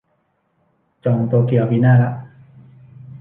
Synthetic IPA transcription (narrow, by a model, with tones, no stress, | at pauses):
t͡ɕɔː˨˩ŋt̪o˧ki˨˩ɐ˩piː˧˦naː˥˩la˦˥ʔ